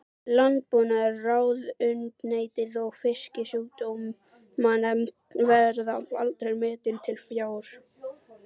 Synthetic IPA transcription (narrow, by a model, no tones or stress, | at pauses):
lant̪̚puːnaɛraːwðʏnt̪neːjt̪ɪðɔɣfɪscɪsjuːt̪umː | anɛmtvɛɾðaalt̪ɾejɾmɪːt̪ɪlt̪ʰɪlfjaːwɾ̥